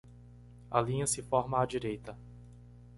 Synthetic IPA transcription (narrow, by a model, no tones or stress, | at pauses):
alĩɲɐsɪfɔɾmɐad͡ʒiɾejt̪ɐ